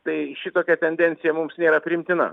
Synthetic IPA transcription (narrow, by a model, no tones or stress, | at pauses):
t̪ɐɪʃʲɪt̪oːkʲɛt̪ʲɛnʲd̪ʲɛnʲt̪sʲɪjɛmʊmsnʲeːɾɐpʲɾʲɪɪmʲt̪ʲɪnɐ̰